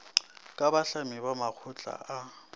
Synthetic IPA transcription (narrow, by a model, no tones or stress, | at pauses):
kʼabaɬamibamak͡xʰʊt͡ɬʼa̰ʔa